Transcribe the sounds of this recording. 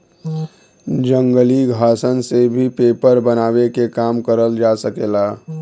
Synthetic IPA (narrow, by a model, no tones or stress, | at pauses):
d͡ʒə̃ŋɡəliɡʱaːsənsebʱipeːpəɾbənaːwekekaːmkəɾəld͡ʒasəkeːlaː